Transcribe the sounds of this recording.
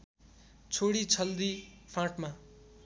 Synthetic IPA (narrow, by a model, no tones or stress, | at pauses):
t͡sʰoɽit͡sʰʌld̪ipʰãʈma